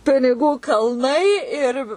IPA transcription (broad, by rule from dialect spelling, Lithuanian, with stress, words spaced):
pʲɪnʲɪˈɡuː kɐlˠˈnɐɪ ɪr